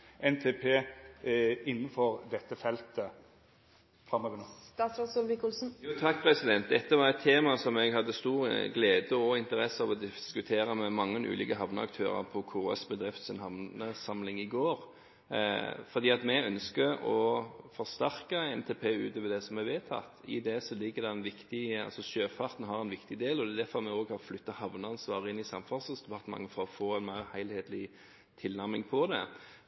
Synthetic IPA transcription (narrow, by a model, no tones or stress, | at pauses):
ʔɛnt̪ʰepʰeː | ɪnːənfɔɾd̪ɛt̪ːəfɛlt̪ə | fɾɑmɑʋɪnɔst̪ɑːt̪sɾɑsɔlʋɪkʊlsn̩juːt̪ʰɑkːpʰʁɛsɪd̪ɛnt̪̚d̪ɛt̪ːəʋɑɾɛt̪ʰːeːmɑsɔmɛɡɦɑd̪ːəst̪uːɾɡleːd̪əɔɪnt̪əɾɛsːɑʋɔd̪ɪskʉt̪ʰeːɾəmɛmɑŋːənʔʉ̰ːlḭːkəɦɑʋnəɑ̰kt̪ʰø̰ːʁə̰ʁpʰɔkʰʊɾɑ̰sbəd̪ʁɪft̪sɪnhɑʋnəsɑmlɪŋɪɡoːʁ | fɔd̪iːɑt̪mɛœnskəɔfɔʁst̪æʁkəɛnt̪ʰeːpʰeːʉːt̪ɔʋɛld̪ɛsɔmɛʋeːt̪ʰɑ̰t̪ːɪ̰d̪ɛsɔlɪɡːəd̪ɛænʋɪkt̪ɪɑ̰lsɔʃøːfɑʁt̪n̩ɦɑɾɛnʋɪkt̪ɪd̪eːlɔd̪ɛd̪æfɔɾmɛoɡɑflʏt̪ːəhɑʋnəɑnsʋɑːʁəɪnːɪsɑmfɑsəsd̪ɛpʰɑʁt̪əmɑ̰ŋəfɔɔfoːɛnmæɪʁhæɪlheːt̪lɪ | t̪ʰɪlnæʁmɪŋpʰɔd̪ɛ̰